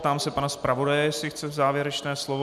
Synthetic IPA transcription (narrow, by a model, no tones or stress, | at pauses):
t̪aːmsɛpanaspɾavo̞dajɛjɛsɪxt͡sɛzaːvjɛɾɛt͡ʃnɛːslovo